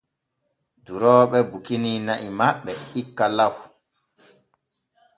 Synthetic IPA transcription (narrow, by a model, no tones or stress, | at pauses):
duɾɔːɓɛbukininaʔimaɓːɛikːalaw